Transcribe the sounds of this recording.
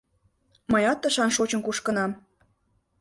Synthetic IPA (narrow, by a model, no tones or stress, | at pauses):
məjɑt̪ːəʃɑnʃot͡ɕə̆nkuʃkə̆nɑm